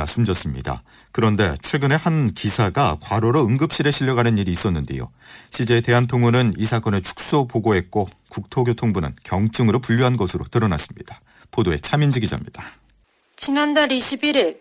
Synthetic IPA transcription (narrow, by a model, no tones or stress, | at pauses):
asʰumd͡ʑʌs͈ɯmɲḭda̰ | kɯɾʌnde̞̰t͡ɕʰwe̞ɡɯne̞hankisʰaɡakwaɾoɾoɯŋɡɯp̚ɕ͈iɾe̞ɕʰiʎːʌɡanɯniɾiːs͈ʌnːɯnde̞̰jo̰ | ɕʰid͡ʑe̞ːte̞ɦantʰoŋunɯnisʰak͈ʌne̞t͡ɕʰu̥k̚s͈opoɡoɦe̞k̚k͈o | kuk̚tʰoɡjotʰoŋbunɯ̰nkjʌŋt͡ɕ͈ɯŋɯɾopuʎːjuɦanɡʌsʰɯɾo̰tɯɾʌnas͈ɯmɲid̥ḁ | podoe̞t͡ɕʰamind͡ʑiɡid͡ʑa̰mɲid̥a | t͡ɕinandaɾiɕʰibiɾiɭ